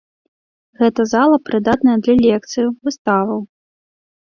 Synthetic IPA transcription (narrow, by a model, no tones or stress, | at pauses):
ɣɛt̪ɐzalˠɐpɾɨd̪at̪nɐjɐd̪lʲɐlʲɛkt̪sɨjuvɨst̪avɐw